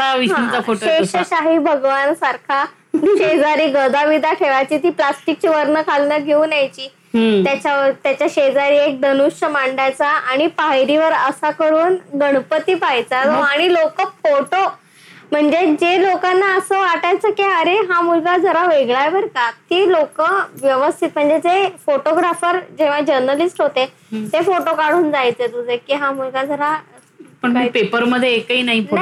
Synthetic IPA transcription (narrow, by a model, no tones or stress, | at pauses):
aʋiɦãafoeɕəɕaɦiːbʱəɡʋansaɾkʰa | ɕed͡zaɾiːɡəd̪aʋid̪aʈʰeʋajt͡ɕiːt̪iːplasʈik̚t͡ɕiʋəɾnəkʰalːəɡʱeũnjajt͡ɕiː | t̪jat͡ɕaʋət̪jat͡ɕjaɕed͡zaɾiːek̚d̪ənuɕəmaɳɖat͡saaɽ̃ipaɦjɾiʋəɾəsakəɾuːnɡəɽ̃pət̪iːpajt͡satoaɽ̃ilokəfoʈo | m̤əɳd͡zed͡ʑelokanːaəsəʋaʈajt͡səkiəɾeɦamulɡad͡zʱəɾaʋeɡɭajʋəɾkat̪ilokəʋjəʋəst̪ʰit̪m̤əɳd͡zed͡zefoʈoɡɾafəɾd͡ʑeʋ̤ad͡ʑəɾnəlisʈɦot̪e | t̪efoʈokaɽ̤uːnd͡zajt͡set̪ud͡zʱekiɦãmulɡad͡zʱəɾa | pəɳipepəɾməd̪ʱːjeekəiːnaɦina